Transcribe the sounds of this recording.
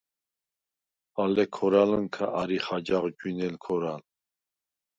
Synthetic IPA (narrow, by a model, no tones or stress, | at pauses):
alɛkʰɔɾalənkʰaʔaɾiχad͡ʒaʁd͡ʒwinɛlkʰɔɾal